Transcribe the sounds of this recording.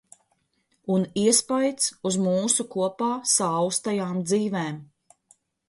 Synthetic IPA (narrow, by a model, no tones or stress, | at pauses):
uniɛspajt̪suzmuːsukuɔpaːsawst̪ajaːmd̪ziːvɛːm